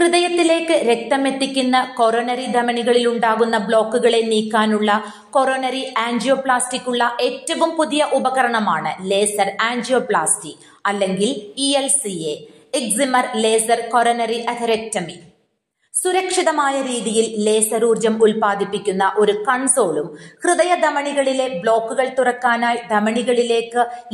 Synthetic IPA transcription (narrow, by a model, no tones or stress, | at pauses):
krɨðɐjɐt̪ːile̞ːkːɨɾe̞k̚t̪ɐme̞t̪ːikʲːunːɐko̞ɾonɐɾid̪ʱɐmɐɳiɣɐɭiluɳɖaːɣunːɐbɭo̞ːkːuɣɐɭe̞niːkːaːnuɭːɐ | ko̞ɾonɐɾiaːɲd͡ʑijoːpɭaːstikʲːuɭːɐʔe̞ːtːɐʋumpuðijɐʔubɐɣɐɾɐɳɐmaːɳɨle̞ːsɐraːɲd͡ʑijo̞ːpɭa̰ːstikː | ɐlːe̞ŋɡilielsie | iksimɐrle̞ːsɐrko̞ɾonɐriʔɐt̪ʰɐɾek̚tːɐmi | suɾɐkʂiðɐmaːjɐɾiːðijille̞ːsɐɾuːrd͡ʑɐmulpaːd̪ʱipːikʲːunːɐʔo̞ɾukɐɳsoːɭumkrɨðɐjɐd̪ɐmɐɳiɣɐɭile̞bɭo̞ːkːuɣɐɭt̪urɐkːaːnaːjd̪ɐmɐɳiɣɐɭile̞ːkːɨ